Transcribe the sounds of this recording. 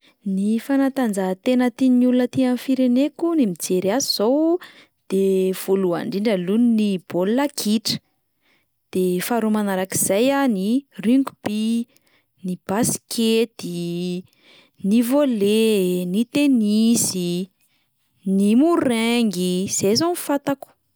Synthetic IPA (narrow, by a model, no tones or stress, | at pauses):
nifanat̪and͡zaɦt̪enət̪inulunət̪iamifiɾenekunimid͡zeɾiaziz̥ow | d̪̥ev̥ulua̰ɳɖ͡ʐiɳɖ͡ʐəluninib̥olːakʰiʈ͡ʂə̥ | d̪̥efaɾumanaɾakiz̥ajaniriŋɡub̥i | nib̥asi̥kʰet̪i | nivolenit̪enisi | nimuɾeŋɡiz̥ezonfat̪aku̥